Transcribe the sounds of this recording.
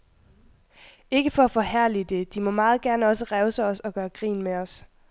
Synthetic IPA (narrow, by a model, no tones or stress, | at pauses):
e̝ɡ̥əfɒ̽æfɒ̽hæɐ̰lid̥e̝d̥imɒ̽mɑ̈ːð̞̩ˠɡ̥æɐnəɒ̽səʁɛʊsɒɒ̽sɒ̽ɡ̥ɶːɐɡ̥ʁḭːnmeɒ̽s